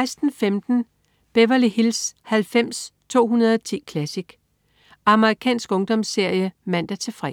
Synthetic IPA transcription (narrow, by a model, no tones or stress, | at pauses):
ɪsd̥n̩femd̥n̩ | b̥eʋɐlihilshælfem̰st͡sʰo̝̰ːɦunɐð̞ˠɒt͡sʰḭːkʰlæsiɡ̥ | ɑ̈məʁikʰɛ̰ːnsɡ̥ɔ̽ŋd̥ɒ̽msːe̝ɐ̰jəmæn̰d̥æt͡sʰe̝fʁɛ̰